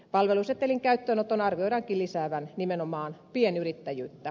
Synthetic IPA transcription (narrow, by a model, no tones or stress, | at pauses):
pɑlʋeluset̪ːeliŋkæyt̪ːøːnot̪onɑrʋioiɾɑŋkilisæːʋænnimenomɑːnpienyrit̪ːæjyːt̪ːæ